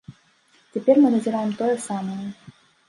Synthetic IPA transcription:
t͡sʲɛpʲɛrmɨnɐzʲɪɾajɛmt̪ɔjɛsaməjɛ

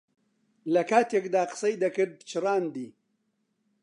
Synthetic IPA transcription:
lɐkaːt̪jekd̪aːqə̥sɐjd̪ɐkɨd̪̚t͡ʃʰɨɾaːnd̪iː

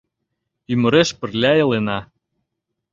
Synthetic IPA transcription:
ymə̆ɾeʃpə̆rlʲæjɤ̆lenɑ

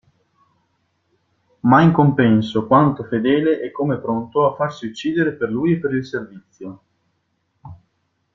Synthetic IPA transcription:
maiŋkompɛnsokwant̪ofed̪ɛːleʔɛkːomepɾont̪oafːarsiut͡ʃːiːd̪eɾeperluːjepːeɾilservit̪sːjo

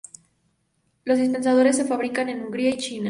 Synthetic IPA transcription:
lo̞zðis̬pens̬að̞o̞ɾe̞sːe̞faβɾikane̞nuŋɡɾiait͡ʃina

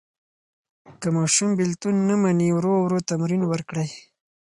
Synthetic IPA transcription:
kamɑʃumbɪlt̪unːamaniwɾowɾot̪amɾinwəɾkɽaj

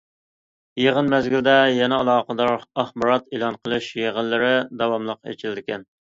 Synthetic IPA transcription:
jeʁənmɛzɡʲild̪ɛjɛnɛɑlˠɑːqəd̪ɑɾɑχbɑɾɑt̪elˠɑnqʰəlˠɨʃjeʁənlːɪɾɪd̪ɑwɑmlˠəqḛt͡ʃʰɪld̪ɪkʲɛn

